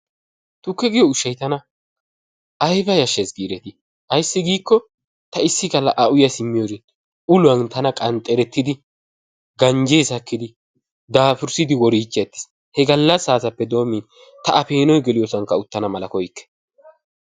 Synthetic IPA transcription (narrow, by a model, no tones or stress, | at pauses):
t̪ʊkːɛɡɪjɔʊʃːɐjt̪ɐnɐ | ʔɐjbɐjɐʃːesɡiːɾɛt̪ɪ | ɐjsːɪɡiːkːɔ | t̪ɐɪsːɪkɐlːɐʔɐʔʊjɐsɪmːɪjoɾɪ | ʊlʊɐnt̪ɐnɐkʼɐnt̪ʼɛɾɛt̪ːɪd̪ɪ | ɡɐnd͡ʒeːsɐkːɪd̪ɪ | d̪aːfʊɾsɪd̪ɪwɔɾiːt͡ʃːɛt̪ːɪ̥s | hɛɡɐlːɐsːaːsɐpːɛd̪o̞ːmi | t̪ɐʔɐfe̞ːnɔjɡɛlɪjɔsɐŋkːɐʊt̪ːɐnɐmɐlɐkɔjkːɛ̥